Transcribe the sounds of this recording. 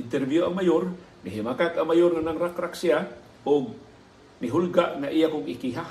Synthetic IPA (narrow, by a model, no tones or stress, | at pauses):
ɪnt̪ɛɾvjoaŋmajoɾmɪɦɪmakakamajoɾŋanaŋɾakɾaksia | ʔʊɡ̚ | mɪɦʊlɡaʔŋaʔijakʊŋɪkiɦa